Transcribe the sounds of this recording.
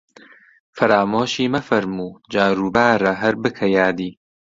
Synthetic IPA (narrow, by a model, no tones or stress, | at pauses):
fɐɾaːmoːʃiːmɐfɐɾmuːd͡ʒaːɾuːbaːɾɐɦɐɾbɨkʰɐjaːd̪iː